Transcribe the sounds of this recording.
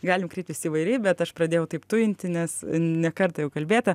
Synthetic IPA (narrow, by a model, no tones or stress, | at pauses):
ɡɑːlʲɪmkɾʲɛɪpt̪ʲʋʲɪsʲiːʋɐɪɾʲɛɪbʲɛt̪ɐʃpɾɐd̪ʲeːjɛʊt̪ɐɪpt̪ʊɪnʲt̪ʲɪnʲɛsnʲɛkɐrt̪ɐjɛʊkɐlʲbʲeːt̪ɐ